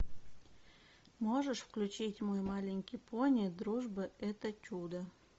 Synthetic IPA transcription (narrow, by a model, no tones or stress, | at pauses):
moʐəʂfklʲʉt͡ɕitʲmojmalʲɪŋʲkʲijpʰonʲɪd̪ɾuʐbəɛt̪ət͡ɕʲud̪ə